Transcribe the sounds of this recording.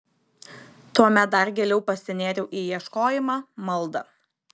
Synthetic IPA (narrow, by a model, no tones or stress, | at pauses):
t̪uɔmʲɛt̪̚d̪ɐɾɡʲɛːlʲɛʊpɐsʲɪnʲeːɾʲɛʊʔiːjiɛʃkoːjɪmɑːmɐlˠd̪ɐ